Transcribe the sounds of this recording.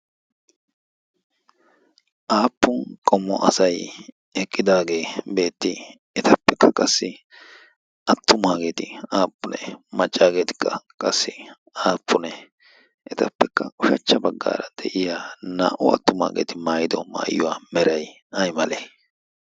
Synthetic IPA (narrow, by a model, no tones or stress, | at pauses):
ʔaːpːʊnkʼɔmːɔʔɐsɐj | ɛkʼːɪd̪aːɡe̞ːbe̞ːt̪ːɪ | ɛt̪ɐpːɛkːɐkʼɐsːɪ | ɐt̪ːʊmaːɡe̞ːt̪ɪaːpːʊnɛ̰mɐt͡ʃʼːaːɡe̞ːt̪ɪ̥kːɐkʼɐsːɪ | aːpʰːʊnɛ | ʔɛt̪ɐpːɛkːɐʔʼʊʃɐt͡ʃːɐbɐɡːa̰ːɾɐd̪̥ɛʔɪjaːna̰ːʔʊɐt̪ːʊma̰ːɡḛːt̪ɪmaːjɪd̪ɔma̰ːjːʊwaːmɛɾɐj | ɐjmɐleː